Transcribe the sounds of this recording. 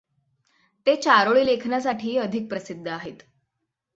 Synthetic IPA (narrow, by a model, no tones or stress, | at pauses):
t̪et͡ɕaɾoɭiːlekʰnjas̬aʈʰiːəd̪ʱik̚pɾəsid̪ʱːəaɦet̪